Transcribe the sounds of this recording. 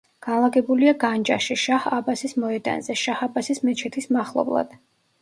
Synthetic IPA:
ɡ̥anlˠaɡɛbuliaɡand͡ʒa̰ʃiʃahabasismɔɛd̪a̰nzɛʃahabasismɛt͡ʃʰɛt̪ʰismaχlˠɔ̰blˠa̰d̪̥

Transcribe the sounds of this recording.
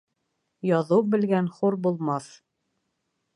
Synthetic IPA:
jɑðɤwbɘ̆lɡænχuɾbulˠmɑθ

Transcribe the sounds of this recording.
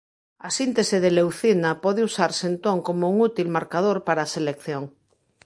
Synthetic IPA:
asint̪eseðelewθinapɔðeusaɾsent̪oŋkomouŋut̪ilmaɾkað̞oɾpaɾaːselekθjoŋ

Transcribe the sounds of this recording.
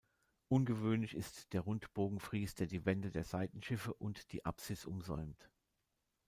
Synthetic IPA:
ʔʊnɡəvøːnlɪçɪstd̥eːɐʁʊntb̥oːɡŋ̩fʁ̥iːsd̥eːɐdiːvɛndədeːɐz̥aɪtn̩ʃɪfəʔʊntd̥ḭːʔa̰psɪsʔʊmzɔ̰ʏmt

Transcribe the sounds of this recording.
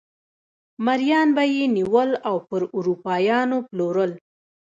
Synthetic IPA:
maɾjɑnbajeniwəlawpəɾuɾupɑjɑnoploɾəl

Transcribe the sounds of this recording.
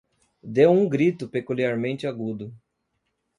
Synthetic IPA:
d̪ewũɡɾit̪ʊpekuliaɾmẽnt͡ʃɪaɡud̪ʊ

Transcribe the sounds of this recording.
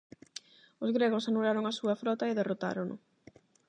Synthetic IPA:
ozɣɾeɣ̞osanulaɾoŋɐsuɐfɾɔt̪ɐeðerot̪a̰ɾonʔʊ̰

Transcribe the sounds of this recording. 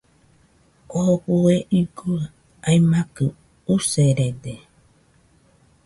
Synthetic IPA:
oβueʔiɡua | aimakɨ | useɾede

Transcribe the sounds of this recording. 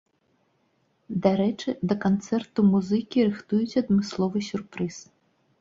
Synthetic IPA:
d̪aɾɛt͡ʂɨd̪ɐkant̪sɛrt̪umuzɨkʲiɾɨxt̪ujut͡sʲɐd̪mɨslˠɔvɨsʲurpɾɨs

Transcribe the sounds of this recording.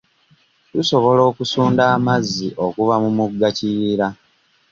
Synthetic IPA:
tuso̞βo̞lo̞ːkusuːndaːmazːiʔo̞kuvamumuɡːaciiɾa

